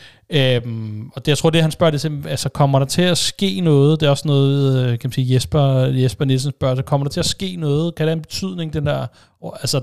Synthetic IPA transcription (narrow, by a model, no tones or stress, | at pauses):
ømɒ̽d̥jaɪt͡sʰʁo̝̰de̝ɦænsb̥ɶɐd̥esʰeælsəkʰɒ̽mɐɾ̥ɑ̈t͡sʰe̝æsɡ̥e̝̰ːnɔ̽ːð̩ˠd̥e̝æɒ̽snɔ̽ːð̞̩ˠʋeðˠkʰæmænsiːjesb̥ɐjesb̥ɐnels̬ənsb̥ɶɐ̰lsəkʰɒ̽m̰ɐɾ̥ɑt͡sʰe̝æsɡ̥e̝̰ːnɔ̽ːð̞̩ˠkʰæd̥eænb̥e̝t͡sʰyð̞̰ˠne̝ŋd̥end̥æɐ̰ | ælsə